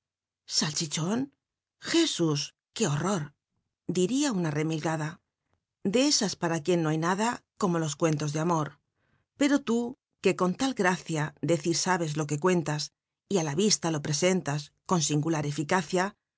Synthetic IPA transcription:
salt͡ʃit͡ʃo̞n | xe̞sus | ke̞o̞ro̞ɾ | d̪iɾiaunare̞milɣaða | d̪e̞esaspaɾakje̞nːoajnaðako̞mo̞lo̞skwe̞nt̪o̞zðeamo̞ɾ | pe̞ɾo̞t̪u | ke̞ko̞nt̪alɡɾaθjaðe̞θiɾsaβ̞e̞zlo̞ke̞kwe̞nt̪as | ialaβist̪alo̞pɾe̞se̞nt̪asko̞nsiŋɡulaɾe̞fikaθja

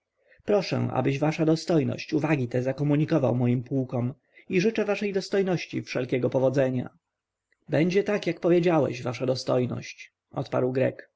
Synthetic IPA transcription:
pɾɔʂɛ̰̃ʔa̰bɘʑvaʂad̪ɔst̪ɔjnɔ̰ɕt͡ɕuvaɡʲit̪ɛzakɔmuɲikɔva̰wmɔjimpukɔm | iʐɘt͡ʂɛvaʂɛjd̪ɔst̪ɔjnɔɕt͡ɕḭfʂɛlkʲɛɡɔpɔvɔd̪zɛɲa̰ | bɛɲd͡ʑɛt̪akjakpɔvʲjed͡ʑawɛ̰ɕvaʂad̪ɔst̪ɔjnɔ̰ɕt͡ɕ | ʔɔ̰t̪pa̰ɾwɡɾɛ̰k

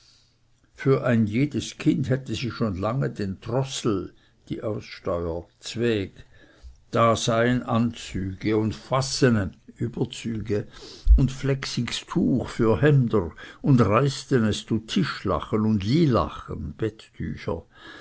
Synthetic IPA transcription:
fyːɐʔaɪnjeːdəskʰɪnthɛtəziːʃoːnlaŋədeːntʁɔsl̩ | d̥ḭːʔaʊsʃtɔʏət͡sv̥ɛːk | d̥aːz̥aɪənʔant͡syːɡ̥əʊntfasənəʔyːbɐt͡syːɡəʊntflɛksɪkstʰuːxfyːɐɦɛmdəʁʊndʁaɪstənɛst͡sutʰɪʃla̰χənʊndliːla̰χənb̥ɛtːʰy̰ːçɐ̰

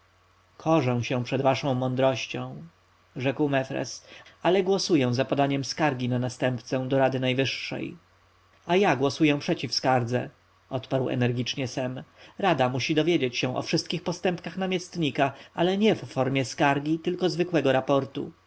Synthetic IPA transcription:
kʰɔʐɛ̃w̃ɕɛ̃pʂɛd̪vaʂɔ̃w̃mɔnd̪ɾɔɕt͡ɕɔ̃w̃ | ʐɛkwmɛfɾɛ̰salɛɡwɔsujɛ̃w̃zapɔd̪aɲɛmskaɾɡʲinanast̪ɛmpt̪sɛd̪ɔɾad̪ɘnajvɘʂːɛ̰j | ajaɡwɔsujɛ̃pʂɛt͡ɕifskaɾd̪zɛ̰ | ɔt̪paɾwɛ̰nɛɾɡʲit͡ʂɲɛsɛmɾad̪amuɕid̪ɔvʲjed͡ʑet͡ɕɕɛ̃ʔɔ̰fʂɘst̪̚kʲixpɔst̪ɛmpkaxnamʲjɛst̪ɲikaʔalɛɲɛfːɔɾmʲjɛskaɾɡʲit̪ɘlkɔzvɘkwɛɡɔɾapɔɾt̪ṵ

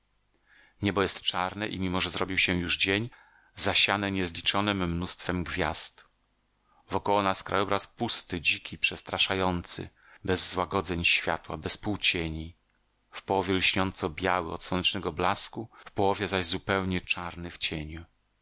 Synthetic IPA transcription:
ɲɛbɔjɛst̪t͡ʂaɾnɛ̰ʔimʲimɔʐɛzɾɔbʲiwɕɛjuʐd͡ʑeɲ | zaɕanɛɲɛzlʲit͡ʂɔnɘmːnust̪fɛmɡvʲja̰st̪ | vɔkɔwɔnaskɾʔa̰jɔbɾaspust̪ɘd͡ʑikʲʰipʂɛst̪ɾaʂajɔnt̪sɘ̰ | bɛzːwaɡɔd̪zɛɲɕfʲja̰t̪wa̰bɛspuwt͡ɕeɲi | fpɔwɔvʲjɛlɕɲɔnt̪sɔbʲjawɘɔ̰t̪swɔnɛt͡ʂnɛɡɔblaskufpɔwɔvʲjɛzaʑzupɛwɲɛt͡ʂaɾnɘft͡ɕeɲu

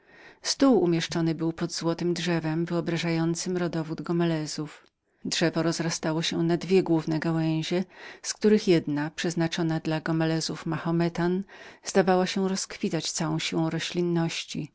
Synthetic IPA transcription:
st̪uwumʲjɛʂt͡ʂɔnɘbɘwpɔd̪zwɔt̪ɘmdʐɛvɛmvɘɔbɾaʐajɔnt̪sɘmɾɔd̪ɔvud̪ɡɔmɛlɛzuf | dʐɛvɔɾɔzɾast̪awɔɕɛnad̪vʲjɛɡwuvnɛɡawɛ̃j̃ʑɛskt̪uɾɘxjɛd̪napʂɛznat͡ʂɔnad̪laɡɔmɛlɛzufmaxɔmɛt̪anz̥d̪avawaɕɛɾɔskfʲit̪at͡ɕt̪sawɔ̃w̃ɕiwɔ̃w̃ɾɔɕlʲinːɔɕt͡ɕi

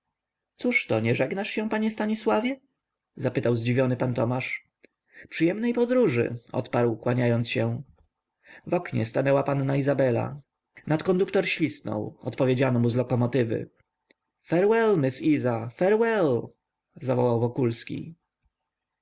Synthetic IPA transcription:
t̪suʂt̪ɔɲɛʐɛɡnaʂɕɛ̃paɲɛst̪aɲiswavʲjɛ | zapɘt̪awzd͡ʑivʲjɔnɘpant̪ɔmaʂ | pʂɨjɛmnɛjpɔd̪ɾuʐɘ̰ʔɔ̰t̪paɾwkwaɲajɔnsɕɛ | vɔkɲɛ̰st̪anɛwapanːaizabɛla̰ | nat̪kɔnd̪ukt̪ɔɾɕlʲisnɔ̰wɔ̰t̪pɔvʲed͡ʑanɔmuzlɔkɔmɔt̪ɘvɘ̰ | fɛɾwɛlmɘsizafɛɾwɛl | zavɔwawvɔkulskʲḭ

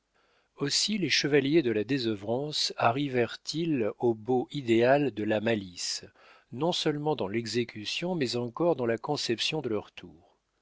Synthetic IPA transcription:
osileʃəvaljed̪əlad̪ezœvʁɑ̃saʁivɛʁt̪iloboʔid̪eald̪əlamalis | nɔ̃sœlmɑ̃d̪ɑ̃lɛɡzekʲysjɔ̃mɛzɑ̃kɔʁd̪ɑ̃lakɔ̃sɛpsjɔ̃d̪əlœʁt̪ʰuːʁ

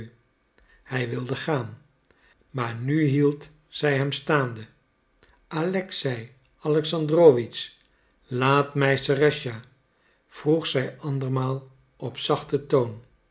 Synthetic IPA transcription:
hɛjʋɪlˠdəχaːn | maːɹnyɦilˠt | sɛjɦɛmstaːndə | alɛksɛj | ɑlɛksɑndroʋis | laːtmɛjsərɛʃa | v̥ruχsɛjɑndəɹmaːlˠ | ɔpsɑχtətown

